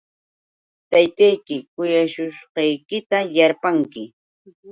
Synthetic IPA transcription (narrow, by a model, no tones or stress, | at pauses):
t̪ajt̪ajkɪkʊjaʃʊʃqɑjkɪt̪ajaɾpaŋkɪ